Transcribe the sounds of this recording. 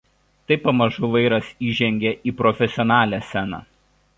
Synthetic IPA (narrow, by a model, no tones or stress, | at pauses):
t̪ɐɪpɐmɐʒʊʋɐɪɾɐsiːʒʲɛŋʲɡʲɛʔiːpɾɔfʲɛsʲɪɔnɑːlʲæːsʲɛnɑ̰ː